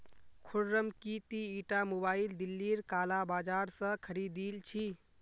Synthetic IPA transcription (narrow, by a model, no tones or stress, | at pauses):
kʰuɽɾəmkit̪iiʈamobaild̪ilːiɾkalabad͡ʒaɾsə̃kʰəɾid̪ilt͡ʃʰi